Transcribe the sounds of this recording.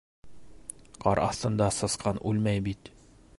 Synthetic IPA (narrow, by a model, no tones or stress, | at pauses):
qɑɾɑθt̪ɤ̆nd̪ɑsɤ̆sqɑnʔʉlmæjbit̪